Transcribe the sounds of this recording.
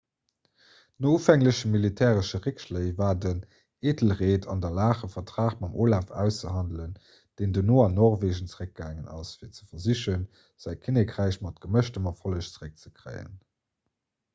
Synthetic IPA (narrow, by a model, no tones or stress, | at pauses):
noːufæŋləʃəmilitʰɛːʁəʃəʁikʃləɪvaːdən | eːdəl̩ʁeːtʰɑndɐlaːχəfɐtʁ̥aːχmɑmʔoːlaːfæ̰ʊst͡səɦɑndlən | d̥eɪndənoːɑnːɔːʁveːʒənt͡səʁək̚ɡ̥aːŋənɑ̰sfiːɐt͡sə̥fɐziɕən | z̥æɪkʰinekʰʀæɪɕmɑtɡ̥əməʃtəmɑfoləʃt͡səʁək̚t͡sə̥kʰʁɜ̰ɪə̰n